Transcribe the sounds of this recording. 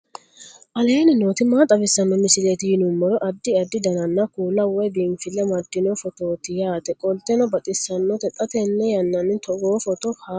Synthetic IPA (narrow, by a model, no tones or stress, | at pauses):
ʔɐle̞ːnɪnoːt̪ɪmaːt̪ʼɐbɪsːɐnːɔmɪsɪleːt̪ɪjɪnʊmːɔɾɔʔɐd̪ːɪɐd̪ːɪd̪ɐnɐnːɐkuːlːɐwɔjbiːnfɪlːɛmɐd̪ːɪnɔfɔt̪o̞ːt̪ɪjaːt̪ɛkʼɔlt̪ɛnɔbɐt̪ʼɪsːɐnːɔt̪ɛt̪ʼːɐt̪ɛnːɛjɐnːɐnːɪt̪ʰɔɡoːfɔt̪ɔha